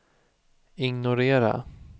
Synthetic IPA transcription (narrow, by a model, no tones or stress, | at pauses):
ɪŋnʊɾeːɾa̰